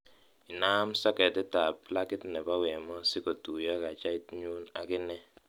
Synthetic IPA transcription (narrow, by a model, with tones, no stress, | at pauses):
ɪ˨na˦msa˦kɛ˨tɛ˦ta˨pla˦kɪ˦tnɛ˨ba˦wɛ˨mɔ˦sɪ˦ko˨tu˨ja˦ka˨t͡ʃa˦i˦tɲu˦na̰˨kɪ˦nɛ˦